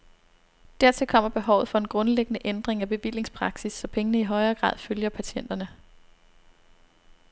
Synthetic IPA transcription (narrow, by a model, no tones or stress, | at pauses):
d̥æɐt͡sʰe̝lkʰɒ̽m̰ɐb̥e̝ɦɒʊfɒ̽e̝nɡ̥ʁɔ̽nleɡ̥ənəʔend̥ʁeŋæb̥e̝ʋil̰e̝ŋspʰʁɑ̈ɡ̥sisːɒ̽pʰeŋənəiɦɒ̽ɪɐːɡ̥ʁɑ̰̈ːð̰ˠføljɐpʰæɕen̰d̥ɐnə